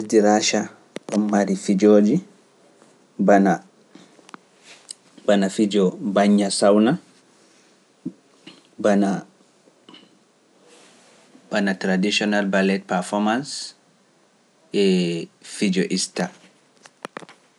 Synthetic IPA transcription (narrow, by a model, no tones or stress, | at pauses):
diɾaʃa | ɔmːaɾifid͡ʒoːd͡ʒi | bana | banafid͡ʒɔbaɲːasawna | bana | b̥anatɾadiʃɔnalbalɛt̚paɾfɔmans | ʔɛfid͡ʒɔʔista